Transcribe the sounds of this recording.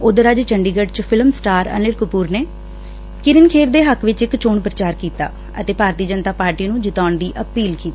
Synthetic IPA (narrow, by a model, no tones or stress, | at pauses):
ʊd̪əɾad͡ʒt͡ʃəɳɖiːɡəɖt͡ʃpʰɪlmsʈaːɾə̰nɪlkʊpuːɾneː | kɪɾɪnkʰeːɾd̪eːɦəkʋɪt͡ʃɪkt͡ʃoːɳpɾət͡ʃaːɾkiːt̪a̰ː | ə̰t̪eːpaːɾt̪iːd͡ʒənt̪aːpaːɾʈiːnũːd͡ʒɪt̪aːɳd̪iːʔəpiːlkiːt̪i